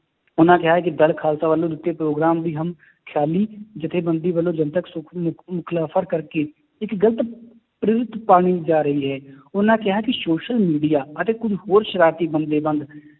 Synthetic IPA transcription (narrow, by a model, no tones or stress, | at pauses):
ʊnãːkɪɦaɦɛːk̬id̪əlkʰaːlsaːʋəlːõd̪ɪt̪ːepɾoːɡɾaːmd̪iːɦəm | kʰjaːliːd͡ʒɪt̪ʰeːbə̃nd̪iːʋəlːõːd͡ʒənt̪əksʊmʊkʰlaːpʰəɾkəɾke | ɪkɡələt̪ | pɾɪɾɪt̪paːɽ̃id͡ʒaːɾəɦiɦɛːʊnãːkɪɦaɦɛkisoːʃəlmiːɖijaːət̪eːkʊd͡ʒʱɦoːɾʃəɾaːt̪iːbənd̪eːbə̃nd̪